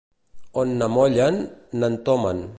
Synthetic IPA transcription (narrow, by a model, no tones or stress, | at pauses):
onːamɔʎanːant̪ɔman